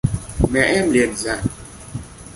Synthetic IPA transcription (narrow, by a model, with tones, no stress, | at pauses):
mɛ˨ʔɛ˦mle˨n˨za˦˨ʔ